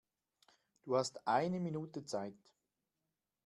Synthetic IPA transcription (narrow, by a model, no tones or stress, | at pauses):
d̥uːhastʔaɪnəminuːtət͡saɪt